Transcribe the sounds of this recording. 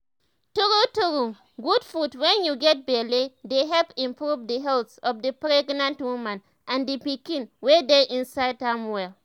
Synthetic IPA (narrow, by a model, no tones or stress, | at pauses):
tuɾutuɾu | ɡudfɹutwɛ̃njuɡɛt̚bɛledeɦɛlpĩmpɹuvdəɦɛltsɔfdəpɹɛɡnãntwumãn | ʔãndəpikĩnwɛdeʔĩnsaɪdhãmwɛl